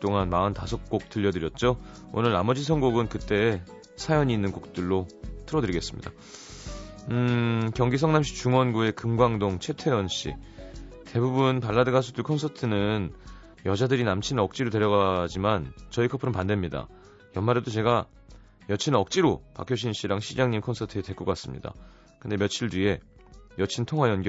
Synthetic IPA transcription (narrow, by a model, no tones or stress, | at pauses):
t͈oŋanmaɯntasʰʌk̚k͈ok̚t͈ɯʎːʌdɯɾjʌt̚t͡ɕ͈o | o̰nɯɭnamʌd͡ʑisʰʌŋɡoɡɯnkɯt͈e̞ː | sʰajʌɲiːnːɯnkuk̚t͈ɯɭːotʰɯɾʌdɯɾiɡe̞s͈ɯmɲida | kjʌŋɡis̬ʰʌŋnamɕ̬͈ʰi̥t͡ɕuŋwʌnɡue̞kɯmɡwaŋdoŋt͡ɕʰe̞tʰe̞wʌnɕ͈ḭte̞bubunpaɭːadɯɡas̬ʰut͈ʰɯɭkʰʌnsʰʌtʰɯnɯn | jʌd͡ʑadɯɾinamt͡ɕʰinɯnʌk̚t͡ɕ͈iɾote̞ɾjʌɣad͡ʑimant͡ɕʌikʰʌpʰɯɾɯnpande̞mɲida̰ | jʌnmaɾedot͡ɕe̞ɡa | jʌt͡ɕʰinʌk̚t͡ɕ͈iɾopa̰kʰjoɕʰinɕ͈iɾaŋɕʰid͡ʑaŋɲimkʰʌnsʰʌtʰɯete̞k͈okas͈ɯmɲḭda̰ | kɯnde̞mjʌt͡ɕʰiɭdɥie̞ | jʌt͡ɕʰintʰoŋɦwajʌnɡ